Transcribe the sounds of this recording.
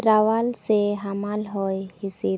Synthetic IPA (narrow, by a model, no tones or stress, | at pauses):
ɾaʋalseɦamalɦɔjhise